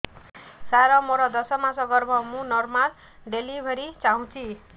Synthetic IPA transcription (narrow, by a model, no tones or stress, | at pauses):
saɾʌmoɾʌd̪ʌsʌmãsʌɡʌɾbʱʌmũnʌrmal | ɖelibʱʌɾit͡saɦũt͡sʰi